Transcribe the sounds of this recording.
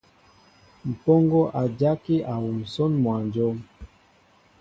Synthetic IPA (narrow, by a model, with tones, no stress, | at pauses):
m̩˨pɔ˦ŋɡɔ˦ʔa˨d͡ʒa˦ki˦ʔa˨wu˨m̩˨sɔ˦nmwa˨nd͡ʒɔ˦m